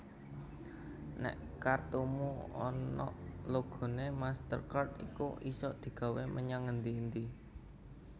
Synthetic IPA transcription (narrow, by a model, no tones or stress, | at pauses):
nɛ̰ʔ | kart̪umuɔ̰nɔ̰ʔloɡ̥o̤nemast̪ərkart̪ḭkṵʔisɔʔd̪̥i̤ɡ̥ä̤wemʔəɲaŋənd̪iːnd̪i